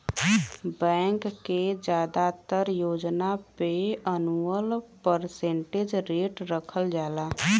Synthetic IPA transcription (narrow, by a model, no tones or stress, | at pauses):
bɛ̃ːŋkːed͡ʒjaːd̪at̪əɾjoːd͡ʒnapeənuəlpəɾsẽɳʈed͡ʒɾeːʈɾəkʰəld͡ʒaːlaː